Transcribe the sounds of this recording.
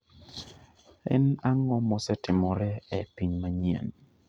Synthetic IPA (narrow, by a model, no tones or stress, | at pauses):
ɛ̰naŋɔmɔsɛtɪmɔɾɛɛpiɲmaɲia̰n